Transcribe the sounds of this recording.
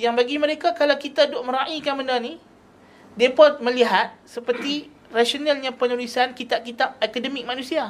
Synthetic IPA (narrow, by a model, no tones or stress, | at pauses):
jaŋbaɡimə̃ɾekakalawkit̪adoʔmə̃ɾaʔikanməndani | depɔt̪̚mə̃liɦat̪̚səpərt̪i | raʃonalɲãpənulisankit̪aʔkit̪aʔ̚ɛkadəmik̚mãnũsia